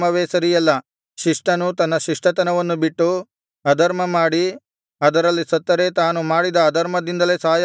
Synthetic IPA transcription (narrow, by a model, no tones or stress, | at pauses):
mɐʋeːsɐɾijɐlːɐ | ʃiʂʈɐnut̪ɐnːɐʃiʂʈɐt̪ɐnɐʋɐnːubiʈːu | ɐd̪ʱɐɾmɐmaːɽi | ɐd̪ɐɾɐlːisɐt̪ːɐɾe̞t̪aːnumaːɽid̪ɐːd̪ʱɐɾmɐd̪ind̪ɐle̞ːsɐɦɐj